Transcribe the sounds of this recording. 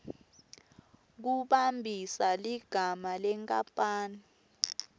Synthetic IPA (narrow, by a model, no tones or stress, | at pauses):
k̬uɓambʱisaliɡ̥ʱamalɛŋkʼapʼaːni